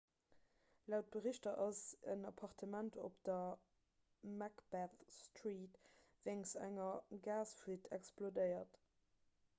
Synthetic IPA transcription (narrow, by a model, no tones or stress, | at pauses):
læʊt̚b̥əʁiɕtɐʔɑzə̰nɑpʰɑʁtʰəmæntʰo̰pd̥ɐ | mækb̥æθstʁiːtvæŋsæ̰ŋɐɡaːsfuətʰɛ̰ksplodəɪɐt